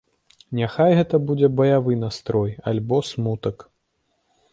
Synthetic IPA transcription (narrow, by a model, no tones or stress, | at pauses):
nʲaxajɣɛt̪ɐbud͡zʲɛbɐjavɨnast̪ɾɔjalʲbɔsmut̪ɐk